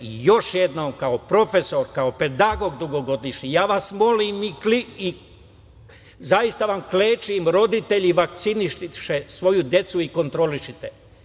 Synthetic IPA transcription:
jo̞ʃjed̪nomkaopɾo̞feso̞ɾkaope̞d̪aɡo̞ɡd̪uɡo̞ɡo̞d̪iʃɲijaːʋasmo̞limiklii | zajist̪aʋamkleːt͡ʃimɾo̞d̪it̪e̞ʎiʋakt̪siniʃʃesʋo̞jud̪je̞t̪suiko̞nt̪ɾo̞liʃit̪e

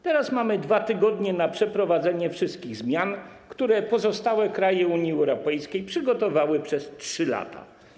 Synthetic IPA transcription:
t̪ɛɾasmamɘd̪vat̪ɘɡɔd̪ɲɛnapʂɛpɾɔvad̪zɛɲɛfʂɘst̪̚kʲiɣzmʲjankt̪uɾɛpɔzɔst̪awɛkɾajɛuɲjiɛwɾɔpɛjskʲejpʂɘɡɔt̪ɔvawɘpʂɛstʂɘla̰t̪ʰa̰

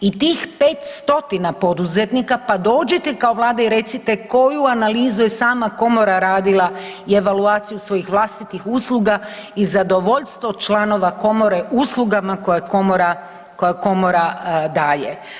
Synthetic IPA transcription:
it̪iːxpe̞ːt̪st̪o̞t̪inapo̞d̪uzet̪nikapad̪o̞ːd͡ʒet̪ekao̞ʋlˠaːd̪aiɾe̞t̪sit̪eko̞juanaliːzujesaːmako̞mo̞ɾaɾaːd̪ilˠaie̞ʋaluaːt̪sijusʋo̞jixʋlˠaːst̪it̪ixuːslˠuɡaizad̪o̞ʋo̞ʎst̪ʋo̞t͡ʃlˠano̞ʋako̞mo̞ɾeʔuːslˠuɡamako̞jakomoɾa | ko̞jako̞moɾad̪aːjḛ

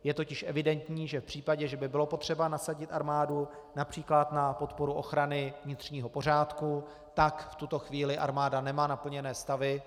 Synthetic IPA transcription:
jɛt̪o̞cɪʃʔɛvɪdɛnt̪ɲiːʒɛfpr̝̥iːpaɟɛʒɛbɪbɪlo̞po̞t̪r̝̥ɛbanasaɟɪt̪ʔaɾmaːdu | napr̝̥iːklat̪napo̞t̪po̞ɾuʔo̞̰xɾanɪvɲɪt̪r̝̥ɲiːɦo̞por̝aːt̪ku | t̪akft̪ut̪o̞xviːlɪʔa̰ɾmaːdanɛmaːnapl̩ɲɛnɛːst̪avɪ

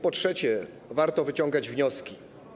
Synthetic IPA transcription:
pɔtʂɛt͡ɕɛ | vaɾt̪ɔvɘt͡ɕɔ̃ŋɡad͡ʑvɲɔskʲi

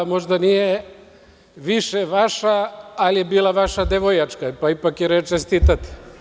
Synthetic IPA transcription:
mo̞ʒd̪anije | ʋiʃeʋaʃaːlijebiːlˠaʋaʃad̪eʋojat͡ʃkapaipakjiɾet͡ʃest̪iːt̪at̪i̥

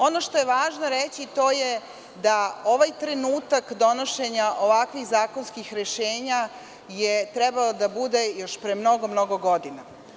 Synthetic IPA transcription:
o̞no̞ʃt̪o̞jeʋaːʒnoɾet͡ɕit̪o̞ːje | d̪ao̞ʋajt̪ɾe̞nuːt̪akd̪o̞noʃe̞ɲaʔo̞ʋakʋixzaːko̞nskixɾeʃeːɲa | jet̪ɾebalod̪abud̪e̞jo̞ʃpɾe̞mno̞ɡo̞mno̞ɡo̞ɡo̞d̪ina

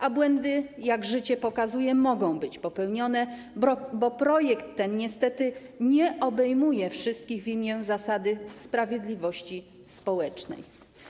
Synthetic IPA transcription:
ʔabwɛnd̪ɘjaɡʐɘt͡ɕɛpɔkazujɛmɔɡɔ̃w̃bɘt͡ɕpɔpɛwɲɔnɛ | bɔpɾɔjɛkt̪ːɛnɲɛst̪ɛt̪ɘ | ɲɛʔɔbɛjmujɛfʂɘst̪̚kʲiɣvʲimʲjɛzasad̪ɘspɾavʲjɛd̪lʲivɔɕt͡ɕi | spɔwɛt͡ʂnɛ̰j

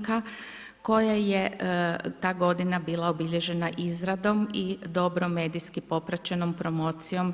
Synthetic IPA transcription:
ka | ko̞jaje̞ | t̪aːɡo̞d̪inabiːlˠaobiʎe̞ʒe̞naʔizɾad̪o̞mid̪o̞bɾo̞me̞ːd̪ijskipo̞pɾat͡ɕe̞no̞mpɾo̞mo̞ːt̪sijo̞m

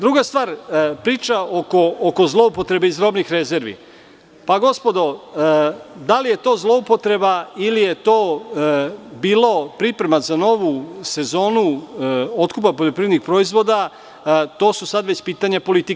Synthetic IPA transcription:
d̪ɾuɡast̪ʋaːɾpɾiːt͡ʃaokoːko̞zlˠo̞upo̞t̪ɾe̞beizd̪ɾo̞bnixɾe̞ze̞ɾʋḭ | paɡo̞spo̞d̪o̞ | d̪alije̞t̪o̞ːzlo̞upo̞t̪ɾe̞bailije̞t̪o̞ː | biːlˠo̞pɾipɾe̞mazano̞ʋuse̞zo̞ːnu | o̞t̪kup̬apoʎʲo̞pɾienixpɾo̞izʋo̞d̪a | t̪o̞ːsusad̪ʋe̞t͡ɕpiːt̪aɲapo̞lit̪ik

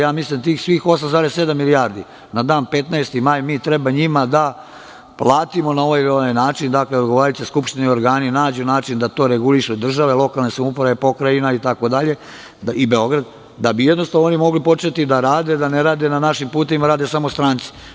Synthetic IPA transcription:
jaːmislimt̪iːxsʋiːxo̞samzaːɾesːe̞d̪amːilijaːɾd̪i | nad̪aːnpe̞t̪naest̪imaːjmiːt̪ɾebaɲimad̪a | plaːt̪imo̞nao̞ʋajoʋajnaːt͡ʃind̪akleod̪ɡoʋaɾalit͡ɕ̪eskupʃt̪inio̞ɾɡaːninaːd͡ʑunaːt͡ʃind̪at̪o̞ːɾeɡuliʃed̪r̩ʒaʋe̞lˠo̞kalnesamupoɾaʋepo̞kɾajinait̪ako̞d̪aʎe̞ | ibe̞o̞ɡɾad̪ | d̪abijed̪no̞st̪aʋnoonimo̞ɡlipo̞t͡ʃet̪id̪aɾaːd̪e̞d̪aneɾaːd̪e̞nanaʃimpuːt̪e̞ʋimaɾaːd̪esamo̞st̪ɾaːnt̪si̥

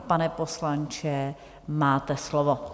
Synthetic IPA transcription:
panɛposlant͡ʃɛ | maːt̪ɛslovo

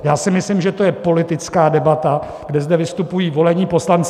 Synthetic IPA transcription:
jaːsɪmɪslɪmʒɛt̪o̞jɛpo̞lɪt̪ɪt͡skaːdɛbat̪a | ɡ̥dɛzdɛvɪst̪upujiːvo̞lɛɲiːpo̞slant͡s

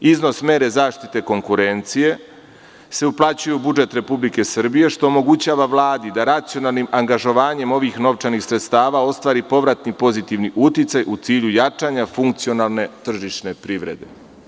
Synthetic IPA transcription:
izno̞sme̞ːɾe̞zaːʃt̪it̪e̞ko̞ŋkuɾe̞nt̪sije̞ | se̞uplˠat͡ɕujeubud͡ʒe̞t̪ɾe̞publike̞sr̩bije̞ʃt̪oːmo̞ɡut͡ɕaːʋaʋlˠaːd̪id̪aɾat̪sio̞nalˠnimʔaŋɡaʒo̞ʋaːɲe̞mo̞ʋixno̞ʋt͡ʃanixsɾet̪st̪aːʋao̞st̪ʋaːɾipo̞ʋɾat̪nipo̞zit̪iʋniʔut̪it̪sajʔut̪siːʎujat͡ʃaːɲafuŋk̚t̪sio̞nalˠne̞t̪r̩ʒiʃne̞pɾiʋɾe̞d̪e̞̰

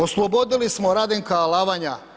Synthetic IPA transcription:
oslˠobo̞d̪ilismo̞ɾad̪eŋkalaːʋaɲa

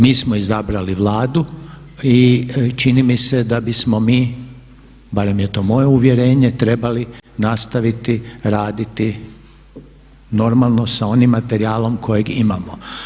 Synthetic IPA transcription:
miːsmoizabɾaliʋlˠaːd̪u | it͡ʃinimise̞d̪abismo̞miː | baɾe̞mjet̪o̞ːmo̞jeuʋje̞ɾe̞ːɲe̞t̪ɾe̞balinast̪aʋit̪iɾaːd̪it̪i | no̞ɾmalˠno̞sao̞nimːat̪e̞ɾiaːlˠo̞mkʰo̞je̞ɡimamo

